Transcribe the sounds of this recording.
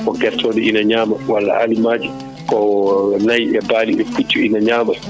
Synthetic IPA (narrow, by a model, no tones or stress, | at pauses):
kɔɡɛtʰːɔːdɛʔinaɲaːmawalːa̰ʔa̰limaːd͡ʒi | kɔnajɛbaːliɛfut͡ʃːuinaɲaːma